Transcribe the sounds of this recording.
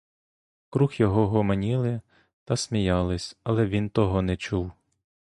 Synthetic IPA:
kɾuxjɔɦɔɦɔmɐnʲilˠɪ | t̪ɐsʲmʲijɑlˠɪsʲɐlˠɛʋʲint̪ɔɦɔnɛt͡ʃuw

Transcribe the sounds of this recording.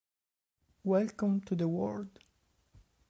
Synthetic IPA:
wɛlkə̃mtuðəwɔɹd

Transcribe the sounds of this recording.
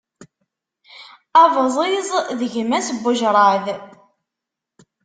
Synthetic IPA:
ævzˤizˤðəʝmæsəbːʊʒɾˤɑð

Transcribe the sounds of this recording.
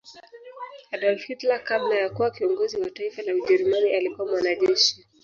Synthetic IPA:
aɗɔlfitlakamnajakuwakiɔŋɡɔziwataifanauʄɛɾumaniʔalikuwamwanaʄɛʃi

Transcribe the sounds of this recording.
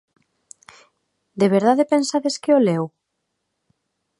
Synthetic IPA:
d̪eβ̞eɾðaðepensaðeskeolew

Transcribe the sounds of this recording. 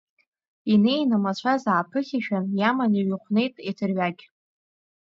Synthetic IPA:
ine̞jnamat͡ɕʷʰazaːpʰɨχʲaʃᶣanjamaniɥɨχʷne̞jtʼetʰɨrɥaɡʲ

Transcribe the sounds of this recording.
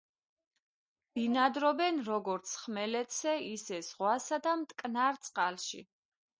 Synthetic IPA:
b̥inad̪ɾɔbɛnɾɔɡɔɾt̪sʰχmɛlɛt̪ʰsɛisɛzʁwasad̪amt̪ʼkʼnaɾt̪sʼqʼalʃḭ

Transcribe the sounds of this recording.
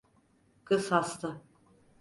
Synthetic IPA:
kɯshast̪ʰɯ

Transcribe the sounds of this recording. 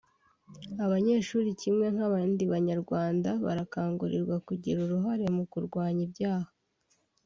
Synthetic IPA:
aβaɲe̞ːʃuːɾicimŋe̞ŋhaβaːndiβaɲaɾɡwaːndaβa̰ɾakaːŋɡuɾiɾɡwakuɟiɾuɾuɦaɾe̞mukuɾɡwaːɲibɟaːhḁ

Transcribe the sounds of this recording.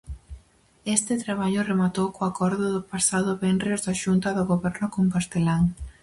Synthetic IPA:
est̪ɪt̪ɾaβ̞aʎʊremat̪owkoakɔɾðʊðʊpasaðʊβɛnɪzðaʃunt̪ɐðʊɣoβɛɾnʊkoŋkast̪elaŋ

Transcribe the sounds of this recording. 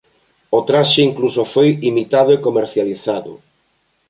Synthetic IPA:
ot̪ɾaʃeiŋklusofojimit̪að̞ʊekomeɾθjaliθaðʊ̰

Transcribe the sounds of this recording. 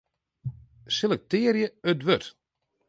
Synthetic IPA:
selɛk̚tɪːɾjəətʋøt

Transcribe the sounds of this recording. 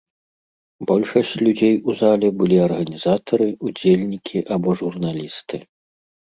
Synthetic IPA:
bɔlʲʂɐsʲt͡sʲlʲud͡zʲejuzalʲɛbɨlʲiɐrɣɐnʲiz̥at̪ɐɾɨud͡zʲelʲnʲikʲʰiʔabɔʐurnalʲist̪ɨ

